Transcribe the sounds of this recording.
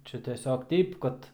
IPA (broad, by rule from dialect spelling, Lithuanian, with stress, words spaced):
ˈt͡ʃʲɛ tʲɛˈsʲoːk ˈtʲɛɪp kɐt